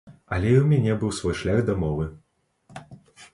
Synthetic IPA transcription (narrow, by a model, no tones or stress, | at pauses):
ɐlʲɛiwmʲanʲɛbɨwsvɔjʂlʲaɣd̪ɐmɔvɨ